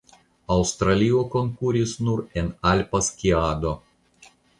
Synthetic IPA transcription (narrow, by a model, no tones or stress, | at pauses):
ɐʊst̪ɾalʲijɔkɔŋkuɾʲisnuɾɛnalʲpɐskʲiaːd̪ɔ